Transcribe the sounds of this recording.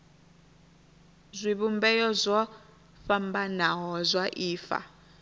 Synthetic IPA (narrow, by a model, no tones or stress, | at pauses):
zʷiβumbɛjɔzʷɔ | fambanaɦɔzʷwaʔiːfa̰